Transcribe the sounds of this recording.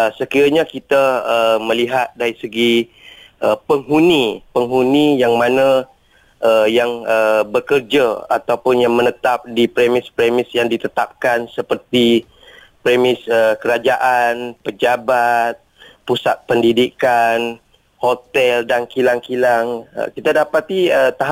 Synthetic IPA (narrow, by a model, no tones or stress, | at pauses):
əsəkiɾaɲakit̪aəmə̃liɦat̪̚daɾisəɡi | ʔəpəŋɦunipəŋɦunijaŋmãnə̃ | əjaŋəbəkərd͡ʒəa̰t̪awpʊnjaŋmə̃nət̪ap̚dipɾemɪspɾemɪsjaŋdit̪ət̪ap̚kansəpərt̪i | pɾemɪsəkəɾad͡ʒaʔanpəd͡ʒabat̪̚ | pusat̪̚pəndidikan | hot̪ɛldankilaŋkilaŋə̰kit̪adapat̪iət̪aɦ